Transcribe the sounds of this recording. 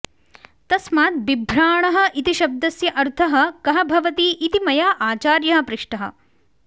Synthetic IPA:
t̪ɐsmaːt̪̚bibʱɾaːɳɐɦɐ̆ʔit̪iʃɐb̚d̪ɐsjɐʔɐɾt̪ʰɐɦɐ̆kɐɦɐbʱɐʋɐt̪iːʔit̪imɐjaːʔaːt͡ʃaːɾjɐɦɐ̆pɾɪʂʈɐɦɐ̰

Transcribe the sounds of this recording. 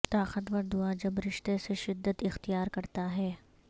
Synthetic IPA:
t̪aːxət̪ʋɐɾd̪ʊad͡ʒɐbɾɪʃt̪eseʃɪd̪ːət̪ɪxt̪ijaːɾkɐɾt̪aɦɛː

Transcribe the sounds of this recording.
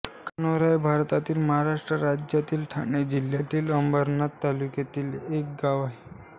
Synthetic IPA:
kanoɾajbʱaɾt̪at̪iːlməɦaɾaʂʈɾəɾad͡ʑjat̪iːlʈʰaɳed͡ʑiljat̪iːləmbəɾnat̪ːaluket̪iːlek̚ɡaʋaɦe

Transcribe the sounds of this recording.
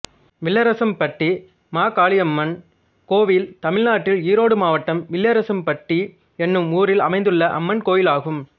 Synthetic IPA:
ʋɪɭːɐɾɐsɐmpɐʈːi | maːkaːɭɪɐmːɐn | koːʋɪlt̪ɐmɪɻnaːʈːɪliːɾoːɽɯmaːʋɐʈːɐmʋɪɭːɐɾɐsɐmpɐʈːi | ɛnːɯmuːɾɪlɐmɐɪnd̪ɯɭːɐʔɐ̰mːɐnkoːjɪlaːɣɯm

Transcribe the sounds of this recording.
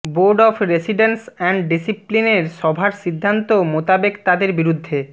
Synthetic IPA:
boɾɖɔfʰɾesiɖensɛɳɖɖisiplineɾʃɔbʱaɾʃid̪ʱːant̪omot̪abekt̪ad̪eɾbiɾud̪ʱːe

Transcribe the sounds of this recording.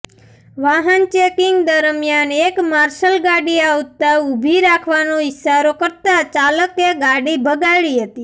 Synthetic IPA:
ʋaɦənt͡ʃekɪŋɡd̪əɾmjanekmaɾʃəlɡaɽiaʋt̪aubʱiɾakʰʋanoɪʃaɾokəɾt̪at͡ʃaləkeɡaɽibʱəɡaɭiɦət̪i

